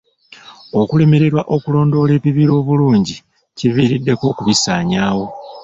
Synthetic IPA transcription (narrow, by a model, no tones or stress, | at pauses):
o̞kule̞me̞ɾe̞ɾwaʔo̞kulo̞ːndo̞ːle̞ːβiβiɾo̞ːβuluːɲɟi | civiːɾidːe̞ko̞ːkuβisaːɲaːwo̞